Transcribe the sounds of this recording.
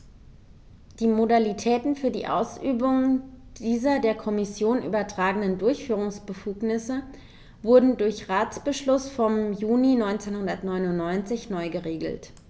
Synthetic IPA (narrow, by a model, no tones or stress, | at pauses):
d̥iːmodalitʰɛːtn̩fyːɐdḭːʔa̰ʊsʔyːbʊŋd̥iːzɐdeːɐkʰɔmɪsjoːnʔy̰ːbɐtʁ̥aːɡənəndʊɐçfyːʁ̞ʊŋsb̥əfuːknɪsə | v̥ʊɐdn̩dʊɐçʁaːt͡sb̥əʃlʊsfɔmjuːninɔʏnt͡senhʊndɐtnɔʏnʊntnːɔʏnt͡sɪçnɔʏɡəʁeːɡl̩t